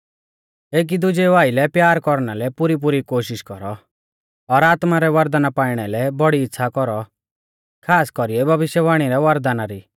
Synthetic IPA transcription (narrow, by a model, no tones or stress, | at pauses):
eːk̬id̪ʊd͡ʒɛʋaːilɛpjaːɾkɔɾñalɛpʊɾip̬ʊɾikoːʃɪʃkɔɾɔ | ɔɾaːt̪maɾɛʋɐɾd̪anapaːɪɽ̃ɛlɛbɔɽiːtːsʰakɔɾɔ | kʰaːskɔɾiɛbʱɐʋɪʃjɛʋaːɽ̃iɾɛʋɐɾd̪anaɾi